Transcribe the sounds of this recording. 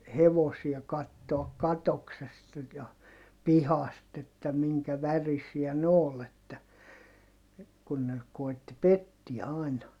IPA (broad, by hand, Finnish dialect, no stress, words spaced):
heʋosiɑ kɑtːoɑk kɑtoksestɑ jɑ pihɑst etːæ miŋkæ ʋærisiæ nĕ oːl etːæ kun ne koˑi̯tːi petːiæ ɑˑi̯nɑ